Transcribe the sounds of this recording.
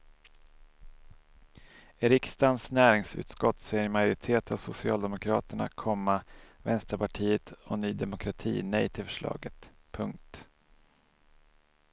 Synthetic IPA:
eɾɪkst̪ansnæːɾɪŋsʉ̟̰ːt̪skɔt̪ːsɛmajʊɾɪt̪ʰeːt̪ʰavsʊsɪɑːld̪ɛmʊkʰɾɑ̰ːt̪əɳa̰kʰɔmːavɛnst̪əɾpaʈʰiːət̪ɔnyːd̪ɛmʊkʰɾat̪ʰḭːnɛjt̪ʰɪlfœʂɭɑ̰ːɡət̪ | pʰɵŋk̚t̪

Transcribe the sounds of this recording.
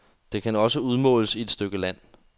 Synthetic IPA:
d̥e̝kʰænɒ̽səuð̞ˠmɔ̰ːləsie̝d̥sd̥øɡ̥əlæn̰

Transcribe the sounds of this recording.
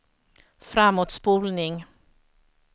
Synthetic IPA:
fɾamːuːt̪spuːlnɪŋ

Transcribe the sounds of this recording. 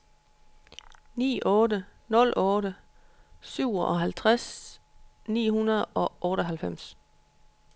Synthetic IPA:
nḭːʔɔːdənɔ̽lʔɔ̽ːɾə | syʊ̰ɒʔɒ̽ɦælt͡sʰʁas | nḭːhunɐð̞̩ˠɒ̽ʔɔːɾəɒɦælfem̰s

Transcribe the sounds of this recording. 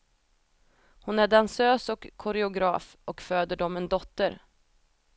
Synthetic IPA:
hʊnæɖansøːsɔkʰːʊɾɛʊɡɾɑ̰ːfʔɔkføːd̪əɖɔmɛnd̪ɔt̪ːəɾ

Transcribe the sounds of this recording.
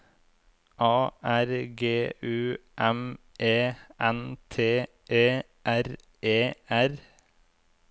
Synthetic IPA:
ʔɑːʔæɾɡeːʔʉːʔɛmʔeːʔɛnt̪ʰeː | ʔeː | ʔæɾ | eːæɾ

